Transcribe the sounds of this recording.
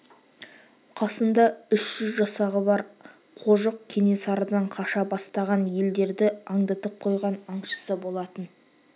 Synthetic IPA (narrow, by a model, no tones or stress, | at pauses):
qʰɑsənd̪ɑʏʃʒ̥ʏzʒɑsɑʁəbɑɾ | qʰo̞ʒəq̚kʲʰe̞ne̞sɑɾəd̪ɑɴqʰɑʃɑbɑst̪ɑʁɑnje̞ld̪e̞ɾd̪ɪɑɴd̪ɑt̪əp̚qʰo̞jʁɑnɑɴʃə̥səbo̞lˠɑt̪ən